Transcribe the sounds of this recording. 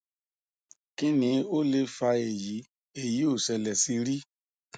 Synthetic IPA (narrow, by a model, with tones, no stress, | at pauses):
ki˦nĩ˧o˦le˧fa˧e˨ji˨˦ | e˦˨ji˨˦o˦˨sɛ˧lɛ˨si˧ɾi˦